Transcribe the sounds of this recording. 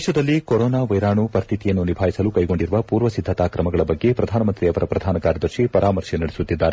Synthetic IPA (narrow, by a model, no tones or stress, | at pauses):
ʃɐd̪ɐlːikoɾɔːnaːʋɐjɾaːɳupɐɾt̪ʰit̪ijɐnːunibʱaːjisɐlukɐjɡo̞ɳɖiɾuʋɐpuːɾʋɐsid̪ʱːɐt̪aːkɾɐmɐɡɐɭɐbɐɡːe̞pɾɐd̪ʱaːnɐmɐnt̪ɾiɐʋɐɾɐpɾɐd̪ʱaːnɐkaːɾjɐd̪ɐɾʂipɐɾʔaːmɐɾʂɐnɐɽesut̪ːid̪ːaːɾe